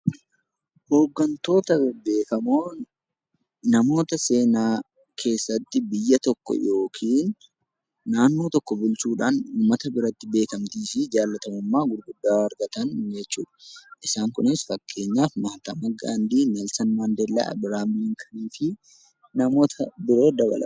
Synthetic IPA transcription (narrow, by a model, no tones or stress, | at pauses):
ho̞ːɡːɐnt̪o̞ːt̪ɐbe̞ːkɐmoː | nɐmo̞ːt̪ɐse̞ːnaː | kʰe̞ːsːɐt̪ːɪbɪjːɐt̪ɔkːɔ̰jo̞ːkʰiːnː | aːnːoːt̪ɔkːɔbʊlt͡ʃuːᶑaːnuːmːɐt̪ɐbɪɾɐt̪ːɪbe̞ːkɐmt̪iːsɪd͡ʒaːlːɐt̪ɐmʊmːaːɡʊd̪ɡʊd̪ːaːɐɾɡɐt̪ɐnd͡ʒɛt͡ʃːṵːᶑɐ̥ʔɪsaːŋkʊnɪsfɐkʰːe̞ːɲːaːfmɐhɐt̪ɐmɐɡaːnd̪iːnɐlsɐnmand̪ɛlːa̰ːʔɐ̰bɪɾaːmɪliŋkʰɐniːfɪ | nɐmo̞ːt̪ʰɐbɪɾo̞ːd̪ɐβɐ̰lɐ̰